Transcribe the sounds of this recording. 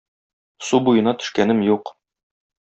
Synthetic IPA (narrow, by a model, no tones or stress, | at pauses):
subujɤ̆nɑt̪ɵ̥̆ʃkænɘmjuq